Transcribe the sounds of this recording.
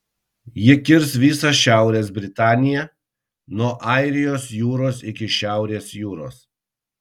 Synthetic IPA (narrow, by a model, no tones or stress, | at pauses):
jɪkʲɪɾsʋʲiːsɐʃʲæˑʊɾʲeːs̬bʲɾʲɪt̪ɑːnʲɪjɛ | nuɔʔɑˑɪɾʲɪjoːsjuːɾoːsɪkʲɪʃʲæˑʊɾʲeːsjuːɾo̰ːs